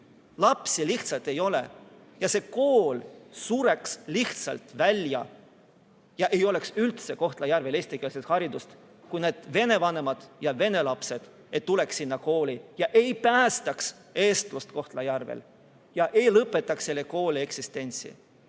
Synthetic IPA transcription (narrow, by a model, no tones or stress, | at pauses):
lɑpsiliht̪sɑlt̪e̞jo̞lḛ | jɑse̞ko̞ːlsuɾe̞ksliht̪sɑ̰lt̪ˑvælʲjɑ̰ | jɑʔe̞jo̞le̞ksylt̪se̞ko̞ht̪lɑjærve̞lesʲt̪ikelset̪hɑɾid̪ust̪ | kujneːd̪̥ve̞ne̞vɑne̞mɑd̪̥jɑve̞ne̞lɑpse̞d̪̥ | ejt̪uleksːinːɑko̞ːlʲijɑʔejpæːst̪ɑks | e̞ːst̪lust̪ko̞ht̪lɑjærvḛl | jɑʔe̞jlɤpːˑe̞t̪ːˑɑksːelːeko̞ːlʲie̞ksist̪e̞nʲt̪sḭ